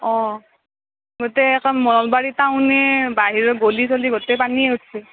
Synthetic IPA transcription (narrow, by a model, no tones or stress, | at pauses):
ɔ̃ | ɡotɛːkɔnmɔnɔlbaɹitaʊ̃nɛbaɦiɹɔɡolisoliɡotɛpaniɛɦotʰsʰɛ